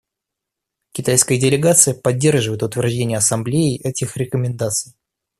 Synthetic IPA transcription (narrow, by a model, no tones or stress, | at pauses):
kʲɪt̪ajskəjədʲɪlʲɪɡat̪sɨjəpɐdʲːe̞rʐɨvəjɪt̪ʊt̪vʲɪrʐdʲenʲɪjəɐsɐmblʲejɪʔɛtʲɪxɾʲɪkəmʲɪnd̪at̪sɨj